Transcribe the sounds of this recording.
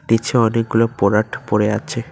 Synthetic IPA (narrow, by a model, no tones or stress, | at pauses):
ʈit͡ɕʰeɔnek̚ɡulopɔɾaʈʰpoɾeat͡ɕʰe